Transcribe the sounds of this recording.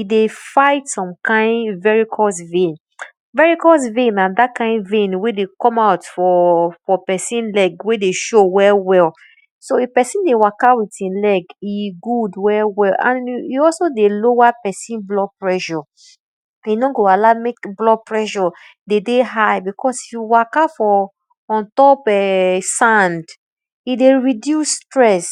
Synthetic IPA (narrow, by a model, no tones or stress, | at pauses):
idefaɪtsɔ̃mkãɪ̃nvɛɹikʰɔsvẽn | vɛɹikɔs̬vẽnãndatkãɪ̃ndvẽnwedekɔ̃maʊtfɔfɔpɛsĩnlɛɡwedeʃowɛwɛl | soepɛsĩndewakawitĩnlɛɡiɡudwɛwɛlã̰njiɔlsodelowapɛsĩnblɔpɹɛʃɔ | inɔ̃ɡoalamekblɔpɹɛʃɔ | dedeɦajbikʰɔsifjuwakafɔ̃ː | ntɔpɛsãnd | ideɹidjusːtɹɛs